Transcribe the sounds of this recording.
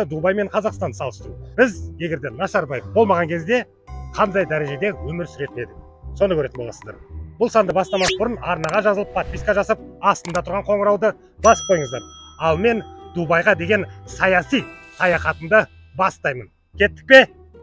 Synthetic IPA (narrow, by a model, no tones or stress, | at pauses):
əd̪ubɑjme̞ɴqʰɑzɑqst̪ɑnsɑlˠəst̪ɾubɪzje̞ɡʲe̞ɾd̪e̞nɑʃɑɾbɑjefbolˠmɑʁɑŋkʲʰe̞zd̪e̞ | qʰɑnd̪ɑjd̪æɾe̞ʒe̞d̪e̞wɵmɪɾsʏɾe̞t̪ɪne̞d̪ɪ | so̞nəkʰʲɵɾe̞t̪ɪnbo̞lˠɑsəzd̪ɑ̰ɾb̥ʊlˠsɑnd̪əbɑst̪ɑmɑsəbʊɾənɑɾnɑʁɑʒɑzəlˠəpʰot̪̚pʲijskɑʒɑsəp̚ɑst̪ənd̪ɑt̪ʰʊɾʁɑɴqʰo̞ɴəɾɑwd̪ə | bɑsp̚ʰo̞jəɴəzd̪ɑ̰ɾɑlˠme̞nd̪ubɑjʁɑd̪e̞ɡʲe̞nsɑjɑsijsɑjɑχɑt̪əmd̪ə | bɑst̪ɑjmən | kʲʰe̞t̪ːɪk̚pe̞